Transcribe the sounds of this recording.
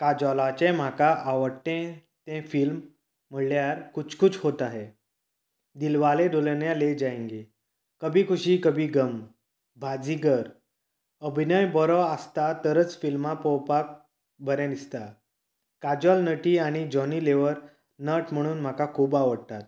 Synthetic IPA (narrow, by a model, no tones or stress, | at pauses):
kad͡ʑɔlat͡ɕẽm̤akaʔaʋəɽt̪ẽ | t̪ɛ̃film̤ː | əɭljaɾkut͡skut͡shot̪aɦe | d̪ilʋaleɖoləɳjaled͡ʑajẽŋɡe | kəbʱiːkʰuɕiːkəbʱiːɡəm | bʱad͡ziɡəɾ | əbʱinəjbɔɾɔast̪at̪əɾət͡sfilmapɔwpak̚ | bəɾɛ̃nd̪ist̪a | kad͡ʑɔlnəʈiːaɽ̃id͡ʑɔniːleʋəɾ | nəʈm̤əɽ̃uːnm̤akakʰuːbaʋəɽt̪at̪̚